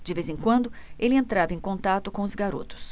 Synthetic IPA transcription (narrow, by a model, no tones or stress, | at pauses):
d͡ʒɪvezẽkwɐ̃nd̪ʊelɪẽnt̪ɾavɐẽjkõnt̪at̪ʊkõʊzɡaɾo̰t̪ʊ̥s